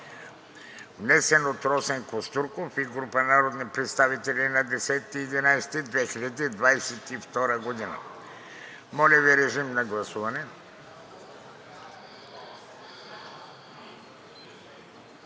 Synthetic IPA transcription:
vnɛsɛnot̪ɾɔsɛŋkost̪uɾkofiɡɾupənaɾod̪nipɾɛt̪st̪avit̪ɛlʲinɐd̪ɛsɛt̪ːiːd̪inajst̪id̪vɛxilʲad̪id̪vajsɛt̪ift̪ɔɾəɡod̪inə̰ | mɔlʲɛviɾɛʒimnɐɡlˠɐsuvɐnɛ

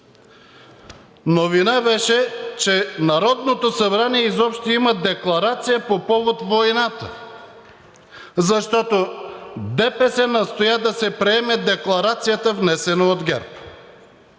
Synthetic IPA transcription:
novinabɛʃɛt͡ʃɛnaɾɔd̪not̪osɐbɾaniɛizɔpʃt̪iiməd̪ɛklˠɐɾat̪sijəpopɔvot̪vojnat̪ə | zɐʃt̪ɔt̪od̪ɛpɛsɛnɐst̪ojad̪ɐsɛpɾɛɛmɛd̪ɛklˠaɾat̪sijət̪əvnɛsɛnood̪ɡɛ̰ɾp

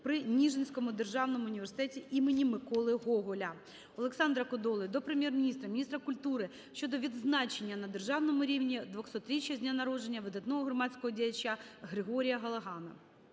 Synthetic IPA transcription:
pɾɪnʲiʒenʲsʲkɔmʊd̪erʒɑwnɔmʊʊnʲiʋʲersɪ̥t̪ɛtʲiʔimenʲimɪkɔlˠɪɦɔɦɔlʲɐ | ɔlˠeksɑnd̪ɾɐkɔd̪ɔlˠɪd̪ɔpɾɪmʲjɛrmʲinʲist̪ɾɐmʲnʲist̪ɾɐkʊlʲt̪uɾɪ | ʃt͡ʃɔd̪ɔʋʲid̪znɑt͡ʃenʲːɐnɐd̪erʒɑwnɔmʊɾʲiwnʲid̪ʋɔxsɔt̪ɾʲit͡ʃʲjɐzʲnʲanɐɾɔd͡ʒe̞nʲːɐʋɪd̪ɐt̪nɔɦɔɦɾɔmɑt͡sʲkɔɦɔdʲijɐt͡ʃɐɦɾɪɦɔɾʲijɐɦɐlˠɐɦɑnɐ

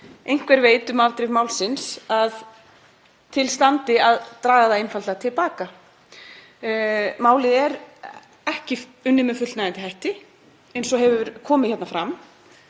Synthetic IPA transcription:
ejŋ̥kvɛɾveːjt̪ʏmaɾt̪ɾɪvmaːwlsɪnsað | t̪ʰɪlst̪ant̪ɪaðt̪ɾaːɣaðaejnfalt̪at̪ʰɪlpaːka | maːwlɪɛɾ | ɛhcɪʏnːɪmɛfʏt̪lnaɪnt̪ɪhɦajht̪ɪ | ɛjnsɔɦɛvʏvʏɾkʰɔːmɪ̥çɛt̪nafɾam

